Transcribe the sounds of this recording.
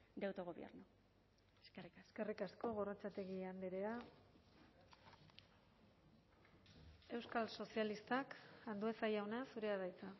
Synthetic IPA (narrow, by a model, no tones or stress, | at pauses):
d̪awt̪oɣoβjḛɾnu | sriske̞rikasko̞ɣ̞o̞rat͡sat̪e̞ɣiand̪eɾea | e̞wskalso̞sialist̪akand̪uesajawnasuɾe̞aðajt͡sa